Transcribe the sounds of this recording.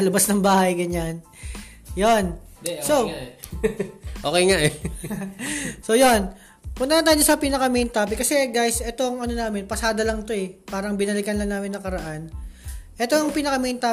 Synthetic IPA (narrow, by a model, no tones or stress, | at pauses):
ɐlɐbɐsnɐŋbaːhɐjɡɐɲan | jonso | ʔoːkejŋaʔɛ | so̞jo̞n | ɐpʊnt̪ɐnɐt̪aːjɲosɐpinɐkɐmint̪aːpɪkːɐsɛɡajsʔɛt̪o̞ŋɐno̞naːmɪnpɐsaːd̪ɐlɐŋt̪o̞ɛpaːɾɐŋbɪnɐlɪkɐnlɐŋnaːmɪnːɐŋkɐɾɐʔanʔɛt̪oŋpinɐkɐmint̪aː